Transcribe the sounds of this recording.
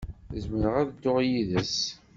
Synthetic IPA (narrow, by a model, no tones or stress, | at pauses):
zməɾəʁæðəd̪ːoʁjiðəs